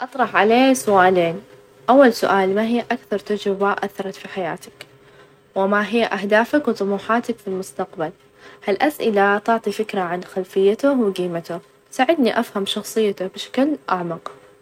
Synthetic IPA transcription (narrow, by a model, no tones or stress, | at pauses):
ʔɑt̪ˤɾˤɑħʕaleːsʊʔaːleːn | ʔawːalsʊʔaːlmaɦɪjːʔakθɑɾˤt̪ad͡ʒɾɪbaʔaθːɑɾˤɑt̪fiħaja̰ːt̪ḁk | wɪmaɦɪjːaʔahd̪aːfakwt̪ˤʊmuːħaːt̪akfilmʊst̪aqbal | halʔasʔɪlat̪ɪʕt̪ˤifɪkɾaʕanxalfɪjːat̪ʊwɪɡiːmat̪ʊh | saʕɪd̪niʔafhamʃɑxsˤɨjːat̪ʊbɪʃḁklʔaʕmɑq